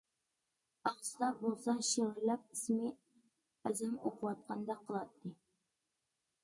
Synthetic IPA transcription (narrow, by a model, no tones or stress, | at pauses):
ɑʁslˠɑɾbolˠsɑʃeʁɾlæp̚ismɪ | æzæmoqʰʊwɑt̪̚qʰɑnd̪ɑqʰːəlˠɑt̪ʰːɨ